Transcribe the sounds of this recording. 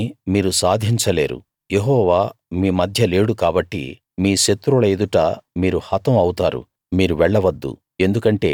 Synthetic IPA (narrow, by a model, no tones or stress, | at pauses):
miːɾusaːd̪ʱiɲt͡ʃɐle̞ːɾṵ | jeɦɔːʋaːmiːmɐd̪ʱjɐle̞ːɽukaːbɐʈːḭ | miːʃet̪ːɾuɭɐed̪uʈɐmiːɾuhɐt̪ɐmɐwut̪aːɾṵ | miːɾuʋɛɭːɐʋɐd̪ːṵ | e̞nd̪ukɐɳʈe̞̰ː